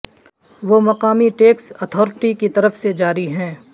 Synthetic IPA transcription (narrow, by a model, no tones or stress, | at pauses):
ʋoːmɐqaːmiʈeːksɔt̪ʰɔːɾɪʈikit̪ɐɾəfsed͡ʒaːɾiɦɛ̃ː